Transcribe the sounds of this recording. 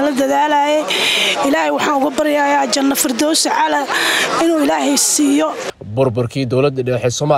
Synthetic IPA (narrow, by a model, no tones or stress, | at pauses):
lɐd̪ɐðaːlaːjɛɪlaːhɛjwɑħɑːnʊɣʊbɐɾɪjaːjaːd͡ʒɐnːɐfɪrd̪ɔwsʕɑlɐɪnuːɪlaːɦɛjsiːjɔ | bʊrbʊrkʰiːd̪ɔwlɐd̪ɖɛħɛːsɔːma